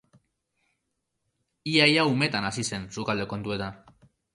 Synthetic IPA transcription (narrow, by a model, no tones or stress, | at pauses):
iajaume̞t̪anasise̞nsukald̪e̞ko̞nt̪ue̞t̪an